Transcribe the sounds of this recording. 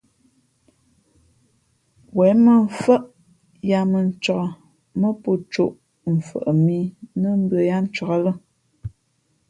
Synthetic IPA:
wɛ˨˦mə˦ɱ˨fə˦ʔ | ja˨mə˨n̩˨t͡ʃɔ˨ʔə˨ | mə˦po˦t͡ʃo˦˨ʔ | m̩˨fə̰˨ʔə˨mi˦nə˦m˦bɰə˨ja˦n̩˦t͡ʃɔ˨ɣa˨lə˦

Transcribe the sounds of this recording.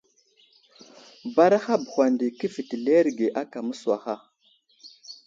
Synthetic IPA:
ba˦ɾa˦xa˦bu˨xʷa˨ndi˨kə˦fi˨ti˨le˦ɾɡe˨ʔa˦ka˨mu˦su˨wa˨xa˦

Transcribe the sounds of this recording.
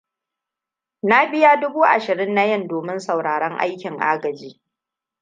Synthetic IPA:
na˦bɪ˦ja˦dʊ˦buː˦ʔa̰˨ʃɪ˨ɽɪ˦nːa˦jɐ˦ndoː˨mɪ˦nsa˨wɽaː˨ɽɐ˦ŋʔa̰˦jkʲɪ˨ŋʔaː˦ɡɐ˨d͡ʒiː˦

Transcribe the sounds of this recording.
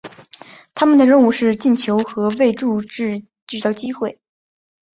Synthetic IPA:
t̪ʰa˥mə˨nd̪ə˩ɻə˥˧nu˥˧ʂɻ̩˥˧t͡ɕi˥˩nt͡ɕʰjo˧˥ʊxɤ˧˥we˥˧ɪʈ͡ʂu˥˧ʈ͡ʂɻ̩˥˧ | t͡ɕy˥˧t͡sɑ˥˩ʊt͡ɕi˥xwe˥˩ɪ

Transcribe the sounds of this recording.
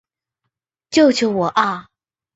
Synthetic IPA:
t͡ɕjo˥˩ʊt͡ɕʰo˨˧˥ʊwɔ˨˩ʔa˥˩

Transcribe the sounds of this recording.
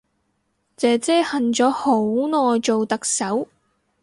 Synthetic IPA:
t͡sɛː˨˧t͡sɛː˥hɐ˨nt͡ʃɔː˨˥ho˨˥wnɔː˨jt͡ʃo˨wt̪ɐ˨k̚sɐ˨˥w

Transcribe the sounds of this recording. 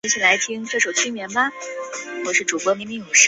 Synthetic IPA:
ni˧˥t͡ɕʰi˨˩la˧˥ɪt̪ʰi˥ŋʈ͡ʂɤ˥˩ʂo˨˩ʊt͡ɕʰy˥mjɛ˧˥nbɐ˧wwɔ˧˩ʂɻ̩˥˩ʈ͡ʂu˨˩kwɔ˧˥mi˧˥ŋmi˧˥jo˨˩ʂɻ̩˥˩

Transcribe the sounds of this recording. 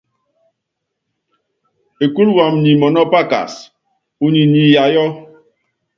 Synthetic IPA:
e˨ku˦ɾwa˨m̩˨ni˨mɔ˨nɔ˦pa˦ka̰˨s | u˦ni˨ni˨ja˨jɔ˦

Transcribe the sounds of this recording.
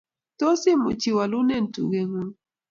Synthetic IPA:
to˦sɪ˦mo̰˨t͡ʃi˨wa˨lu˦nɛ˦˨n˨tṵ˨ɡe˨ŋu˦

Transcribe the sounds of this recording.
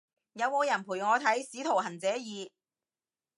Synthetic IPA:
jɐ˨˧wmoː˨˧jɐ˨˩npʰu˨˩jŋɔː˨˧t̪ʰɐ˨˥jsiː˨˥t̪ʰo˨˩wɦɐ˨˩nt͡sɛː˨˥jiː˨˧

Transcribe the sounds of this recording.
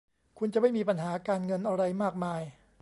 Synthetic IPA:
kʰu˧nt͡ɕa˨˩ma˥˩jmiː˧pa˧nɦaː˩˦kaː˧nŋɤ˧nʔa˧ɾa˧jmaː˥˩k̚maː˧j

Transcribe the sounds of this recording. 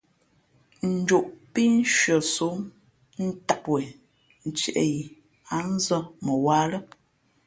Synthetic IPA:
n̩˨˦d͡ʒo˨ʔpi˦n̩˦ʃɥə˨su˨˦m | n̩˦ta˨pwɛ˨ | n̩˨t͡ʃɛ˨ʔḛ˦ji˨ | a˨˦n̩˦zə˦mə˨waː˦lə˦

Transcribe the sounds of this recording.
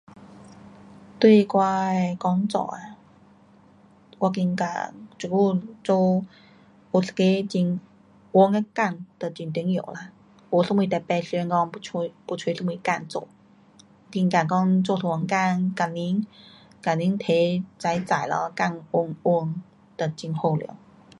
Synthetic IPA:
t̪we˥˧kwa˧kɔ˧˥ŋt͡sɔ̰˧˩˨a˧ | kwa˧˩ki˧ŋka̰˧˩t͡su˨˩ku˥˧t͡so˥˧ | o˨˧˩ske˧t͡ɕi˧n | wʊ˧ŋa˧ka˥˧˩nt̪ə˨t͡ɕi˧nt̪i˧˦ŋjo˨˩˨la˧ | wo˧˩smwi˧t̪ɛ˧˩pɛ˧sŋkɔ˧ŋpu˧pu˧t͡sʰwe˧˦sə˥˧mwi˧˦ka˥˧˨nt͡so̰˧˩˨ | ki˧ŋka˧˨˩kɔ˥˧ŋt͡so˧t̪ʰo˧wə˧˩ŋka˥˧nka˨˩ni˧˥ŋ | ka˨ni˧˥˦ŋt̪ʰe˧˦t͡sa˧˥jt͡sa˨˩˨jlɔ̰˧˦ka˥˧ŋʊ˧ŋʊ˧ŋ | t̪ə˨˩t͡ɕi˧ŋho˥˧˨ljo̰˧˦

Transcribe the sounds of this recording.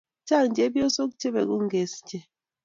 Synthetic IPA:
t͡ʃa˦˨nd͡ʒe˨˦bjo˦so˦k̬t͡ʃe˦bɛ̰˨ku˦ŋ˦ɡe˨sd͡ʒɛ˦

